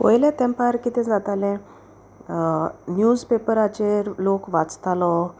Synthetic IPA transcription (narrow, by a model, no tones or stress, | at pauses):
o̰jlɛ̃t̪ɛ̃mpaɾkit̪ɛ̃d͡zat̪alɛ̃ | njud͡zpepəɾat͡ɕeɾlokʋat͡st̪alɔ